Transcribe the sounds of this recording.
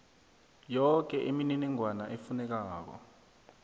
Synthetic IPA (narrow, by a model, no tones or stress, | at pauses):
jɔk̬ɛʔemininɛŋwanaʔefunɛk̬aːk̬ɔ̰